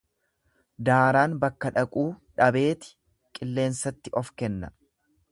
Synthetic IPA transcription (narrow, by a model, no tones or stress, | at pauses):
d̪aːɾaːnbɐkːɐᶑɐkʼuːᶑɐbe̞ːt̪ɪ̥ | kʼɪlːe̞ːnsɐt̪ːɪʔɔfkɛnːɐ